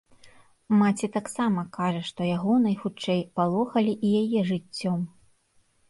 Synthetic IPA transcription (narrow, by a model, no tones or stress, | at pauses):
mat͡sʲit̪aksamɐkaʐɐʂt̪ɔjaɣɔnɐjxut͡ʂɛjpalˠɔxɐlʲiʔijajɛʐɨt͡st͡sʲːɔm